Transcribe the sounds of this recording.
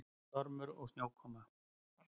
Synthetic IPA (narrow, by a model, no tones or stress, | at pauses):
t̪ɔɾmʏɾɔɣsnjawkʰɔna